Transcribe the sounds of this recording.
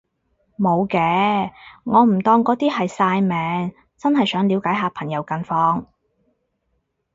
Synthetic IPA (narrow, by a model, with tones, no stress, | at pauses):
mo˨˧wkɛː˧ | ŋɔː˨˧m̩˨˩t̪ɔː˧ŋkɔː˨˥t̪iː˥hɐ˨jsaː˧jmɛː˨˧ŋ | t͡sɐ˥nɦɐ˨jsœː˨˥ŋliː˨˧wkaː˨˥jɦaː˨˧pʰɐ˨˩ŋjɐ˨˧˥wkɐ˧nfɔː˧ŋ